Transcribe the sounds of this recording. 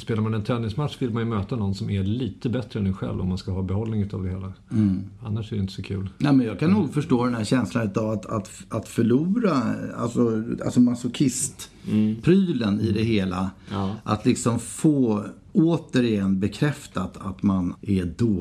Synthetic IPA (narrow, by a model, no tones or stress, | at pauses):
speːlaɾmanɛnt̪ʰɾɛnːɪŋsmat̪ʂvɪlmanjɵmøːt̪anɔnsɔmæliːt̪əbɛt̪ɾəɛnːɛɧɛ̰lvɔ̰mːanskaɦɑːbɛhɔlːnɪŋʉt̪avd̪ɛheːla | anːaʂɛɾɛjɪnt̪əsɔkʰʉ̟ːlnɛmɛnjɑːɡkʰanːuːɡfœʂʈoːd̪ɛnhæɾɕɛnslanʉ̟t̪avat̪a̰t̪at̪fœɭuːɾaa̰lsɔa̰lsɔmasʊkʰɪst̪pʰɾyːlənɪd̪ɛɦeːlaʔa̰t̪lɪksɔmfoː | oːt̪əɾɪjɛnːbɛkʰɾɛft̪at̪ʰat̪manʔɛd̪oː